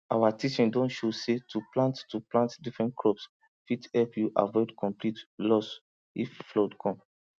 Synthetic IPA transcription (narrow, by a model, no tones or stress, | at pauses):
awatit͡ʃĩndɔ̃ntʃosetʰuplãnttuplãntdifɹɛ̃ntkʰɹɔps | fithɛlpjuʔa̰vɔɪdkʰɔ̃mplitlɔs | ifflɔdkʰɔ̃m